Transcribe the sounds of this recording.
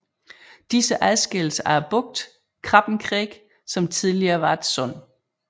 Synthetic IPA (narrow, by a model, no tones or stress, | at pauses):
d̥isəʔæðˠsɡ̥eləsæɐb̥ɔ̽ɡ̥̚d̥ | kʰʁɑ̈b̥n̩kʰʁɛːɡ̥ | sɒ̽mt͡sʰið̞ˠliɐːʋɑ̈ed̥sɔn̰